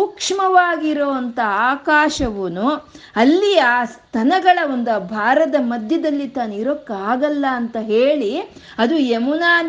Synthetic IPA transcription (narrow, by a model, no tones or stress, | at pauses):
uːkʂɐmɐʋaːɡiɾoːʋɐnt̪ʰɐaːkaːʃɐʋɐnuɐlːiaːst̪ʰɐnɐɡɐɭɐond̪ɐbʱaːɾɐd̪ɐmɐd̪ʱjɐd̪ɐlːit̪aːniɾokːaːɡɐlːɐːnt̪ɐɦe̞ːɭi | ɐd̪uemunaːn